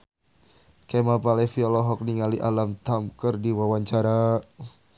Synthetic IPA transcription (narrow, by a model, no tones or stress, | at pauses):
kemapalɛfiɔlɔɦɔk̚niŋaliʔalamt̪amkərdiwawaɲt͡ʃaɾa